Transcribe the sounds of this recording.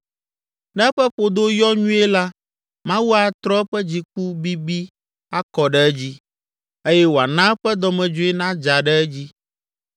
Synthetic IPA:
nɛ̃˦ɸɛ˦ɸo˨d̪o˦jɔ˦ɲũ˦e˦la˦ | mã˦wu˦a˨t̪ɾɔ˦ɛ˦ɸɛ˦d͡ʑi˨k̚u˦bi˦bi˦ | a˦kɔ˨ɖɛ˦ɛ˦d͡ʑi˦ | e˦jɛ˦wo˨a˨nã˦ɸɛ˦d̪ɔ˨mɛ̃˨d͡ʒo˦e˦nã˦d͡ʒa˨ɖɛ˦ɛ˦d͡ʑi˦

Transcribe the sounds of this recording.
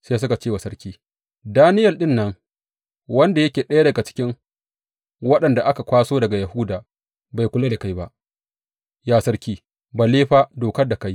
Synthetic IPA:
se˦s̬ʊ˦ka˨t͡ʃeː˦wa˨sɐ˦rkʲiː˦ | daː˦nɪ˦jɐ˨lɗɪ˦nːɐ˦ŋ | wɐ˦nda˨jɐ˦kʲeː˨ɗɐ˦ja˦dɐ˨ɡa˨t͡ʃɪ̥˦kʲɪ˦ŋ | wɐ˦ɗɐ˨nda˨ʔa˦ka˨kʷaː˦soː˦dɐ˨ɡa˨ja˨hʊ˦daː˨ | ba˨jkʷʊ˨laː˦de˨ka˦jba˦ʔ | jaː˦˨sɐ˦rkʲiː˦ | baː˨leː˦ɸaː˦doː˨kɐ˦rda˨ka˦j

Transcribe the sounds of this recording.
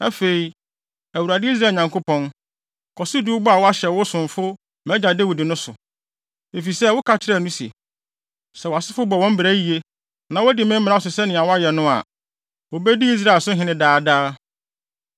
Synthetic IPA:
ɛ˦fe˨i˨ | æ˨wu˨ɾa˨dɪ˦i˦s̬ɾaː˦˨ɲã˨ŋkʰʊ˦pʰɔ̃˦n | kʰɔ˨si˦du˦ʊ˦bʊ˦a˨wɔ˦a˦ɕɛ˨wʊ˦sʊ̃˨ɱ˨fʊ˦ | mɛ̃˦d͡ʑa˨de˦wi˨dɪ˨nʊ̃˦sʊ̰˨ | e˨fi˨sɛ˦wʊ˦kʰa˦t͡ɕʰɪ˦ɾɛ˦˨nʊ̃˦si˨ḛ˨ | sɛ˨wa˨sɪ˦fʊ˦bɔ˨wɔ̃˦m̩˦bɾæ˦ji˨e˦ | nã˨wɔ˦dɪ˨mɪ̃˦m̩ː˦ɪ̃˨˦a˦ɔ˨s̬ʊ˨sɛ˦nɪ̃˨a˨wa˦jɛ˨nʊ̃˦a̰˨ | wo˨bɛ˦di˦i˦s̬ɾa˦˨lsʊ˦ɦɪ̃˨˦nɪ̃˦daː˦˨daː˦

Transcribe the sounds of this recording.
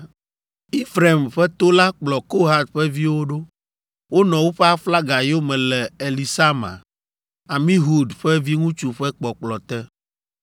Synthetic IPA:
i˦fɾe˨mɸɛ˦t̪o˦la˦k͡plɔ˨ko˦ɦa˨d̪̚ɸɛ˦vi˦wo˦ɖo˦ | wo˦nɔ̃˨wo˦ɸɛ˦a˦fla˦ɡa˨jo˦mɛ̃˨lɛ˨e˨li˨sa˦mã̰˨ | a˨mĩ˦ɦu˦d̪ɸɛ˦vi˦ŋũ˦t͡ʃu˨ɸɛ˦k͡pɔ˨k͡plɔ˨t̪ɛ˦

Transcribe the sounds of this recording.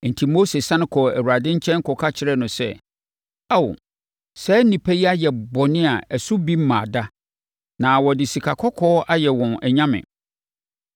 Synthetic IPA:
n̩˨tʰi˨mo˦se˨sã˦nʊ̃˦kʰɔ˨æ˨wu˨a˨dɪ̃˦ɲ̩˦t͡ɕʰɛ̃˦n˦kʰɔ˨kʰa˦t͡ɕʰɪ˨ɾɛ˦nʊ̃˨sɛ̰˦˨ | a˦˨w | sɛː˦nĩ˨pʰɛ˦ji˦a˦jɛ˨bɔ˨nɪ̃˦a˨æ˨sʊ˦bi˦m̩˦mãː˨da˦ | nã˨wɔ˨dɪ˨si˨kʰa˨kʰɔ˦kʰɔː˦ʔa˦jɛ˨wɔ̃˨nɛ˨ɲã˦mɪ̰̃˨

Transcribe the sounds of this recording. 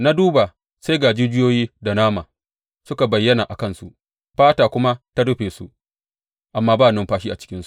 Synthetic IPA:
na˦duː˦ba˨ | se˦ɡaː˨d͡ʒiː˦d͡ʒɪ˦joː˦jiː˦da˨naː˦maː˨ | sʊ˦ka˨bɐ˨jːɐ˦naː˨ʔa˨kɐ˦˨nsṵ˦ʔ | ɸaː˦taː˨kʷʊ˦ma˦ta˦ɽʊ˦ɸeː˨sṵ˦ʔ | ʔa˨mːaː˦baː˦˨nʊ˦mɸaː˦ʃiː˦ʔa˨t͡ʃɪ̥˦kʲɪ˦nsu̥˦ʔ

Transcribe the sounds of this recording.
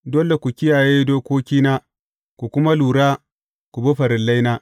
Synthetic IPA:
do˦le˨kʷu˨kʲɪ˦jaː˨jeː˦doː˦kʷoː˦kʲiː˦naː˦ | kʷu˨kʷʊ˦ma˦luː˨ɽaː˦ | kʷu˨bɐ˦ɸɐ˨ɾɪ˨lːa˦jnaː˦

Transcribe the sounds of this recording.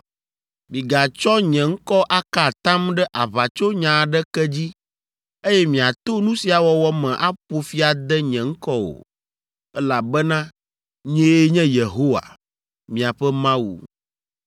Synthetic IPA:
mĩ˨ɡa˨t͡ʃɔ˦ɲɛ̃˨ŋ̩˦kɔ˦ʔa˦ka˨t̪ã˦mɖɛ˦ʔa˨βa˨t͡ʃo˦ɲã˨ɖɛ˦kɛ˦d͡ʑi˦ | e˦jɛ˦mĩ˨a˨t̪o˦nũ˦si˨˦a˨wɔ˦wɔ˦mɛ̃˨ʔa˦ɸo˨fi˦a˨d̪ɛ˦ɲɛ̃˨ŋ̩˦kɔ˦wo̰˨ | ɛ˦la˨bɛ˦nã˦ | ɲɛ̃˦je˦ɲɛ̃˦je˨ɦo˦wa̰˨ | mĩ˨a˨ɸɛ˦mã˦wṵ˨

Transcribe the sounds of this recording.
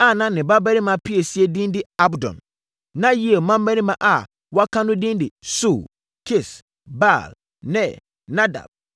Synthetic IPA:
a˦˨nã˦nɪ̃˨ba˦bɛ˦nĩ˦mã˨pʰi˦e˨si˦e˨dĩ˦ndɪ˦a˦bdɔ̰̃˨n | nã˦ji˦e˨mã˦m˦bɛ˦nĩ˦mã˨ʔa˨ | wa˦kʰã˦nʊ̃˦dĩ˦ndɪ˨su˦˨l | kʰɪ˦˨s | ba˦˨l | nɛ̃˨ | nã˦da̰˨b̚

